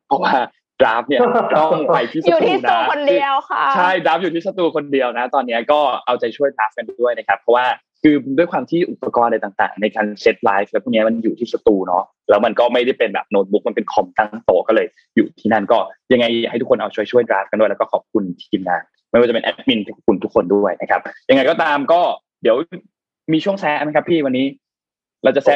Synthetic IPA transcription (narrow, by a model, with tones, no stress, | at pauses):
pʰɔ˦˥waː˥˩ | dɾaː˦˥p̚ni˥˩˧tɔː˥˩wa˧˩j̪ʰiː˥˩sau˧˨˩t̪ʰiː˧˥˩na˦˧˦kʰo˧ndi˧əwkʰa˦˥t͡ɕʰa˥˩jdɾaː˦˥p̚juː˨t̪ʰiː˥˩sa˧t̪uː˧kʰo˧ndi˧əwna˦˥t̪ɔː˧nːi˦˥ɐkɔː˥˩ʔa˧wt͡ɕa˨˧˩t͡ɕʰu˥˩əjdɾaː˦˥p̚ka˧ndu˥˩əjna˦˥kʰa˦˥pʰɾɔ˦˥waː˥˩ | kʰɯː˧du˥˩əjkʰwaː˧mt̪ʰiː˥˩ʔu˨˩pːa˧kɔː˧nda˧jt̪aː˨˩ŋt̪a̰ː˨˩ŋna˧jkaː˧nse˦˥t̪̚laː˦˥jflɛː˧˦˥t̪ʰːni˦˥ɐ˩ma˧njuː˨˩t̪ʰiː˥˩sa˧t̪uː˧nɔ˦˥ | lɛː˦˥wma˧nkɔː˥˩ma˥˩jda˥˩jpe˧nbɛ̰˨˩p̚noː˧t̪̚bu˦˥k̚ma˧npe˧nkʰɔ˨˩mt̪a˥˩ŋt̪oː˨˩kɔː˥˩lɤː˧j | juː˨˩t̪ʰiː˥˩na˥˩nkɔː˥˩ja˧ŋːa˧j̰ha˥˩t̪ʰu˥kʰnʔa˧wt͡ɕʰu˥˩əjt͡ɕʰu˥˩jdɾaː˦˥f̚ka˧du˥˩lːkɔː˥˩kʰɔː˨˩p̚kʰu˧nt̪ʰiː˧mnaː˧˩ | ma˥˩jwa˥˩t͡ɕa˨pe˧nʔɛ̰˦˥p̚mi˧˩nt̪ʰu˦˥˩kʰu˧nt̪ʰu˦˥kʰːo˧ndu˥˩əjna˦˥kʰa˦˥p̚ja˧ŋa˧jkɔ˥˩t̪aː˧mkɔː˥˩ | di˨˩˦əw | miː˧t͡ɕʰu˥˩əŋsɛ˦˥ʔma˦˥kʰa˦˥pʰːiː˥˩wa˧nːiː˦˥ | ɾa˧wt͡ɕa˨˩sɛ˦˥